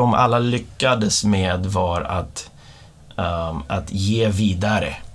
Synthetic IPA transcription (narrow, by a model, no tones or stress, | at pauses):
ɔmʔa̰lːalʏkːad̪əsmeːd̪vaɾa̰t̪ | ʔat̪jeːviːd̪aɾə̰